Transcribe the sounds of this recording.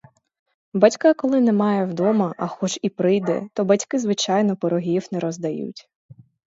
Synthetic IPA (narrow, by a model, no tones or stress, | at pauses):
bɐtʲkɑkɔlˠɪnɛmɑjɛwd̪ɔmɐʔɐxɔt͡ʃipɾɪjd̪ɛ̰t̪ɔbɐtʲkɪzʋɪt͡ʃɑjnɔpɔɾɔɦʲiwnɛɾɔzd̪ɐjṵtʲ